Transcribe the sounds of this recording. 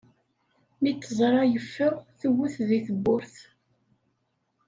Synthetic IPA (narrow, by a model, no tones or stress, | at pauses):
mit͡sːəzˤɾˤɑjəfːəʁθuwːuθðiθəbːʊɾθ